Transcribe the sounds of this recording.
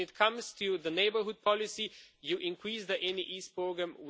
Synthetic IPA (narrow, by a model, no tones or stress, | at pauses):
ɪt̚kʰʌ̃mst̪ʰuðəneɪbə˞ɦʊd̪̚pʰɔlɪsijuʔɪ̃ŋkʰɹiːsd̪əʔɛ̃niʔispɹoʊɡɹãmw